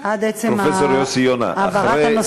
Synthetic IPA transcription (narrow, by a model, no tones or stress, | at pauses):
ad̪et͡seɾomfesoɾjosijona̰aːaɾaeano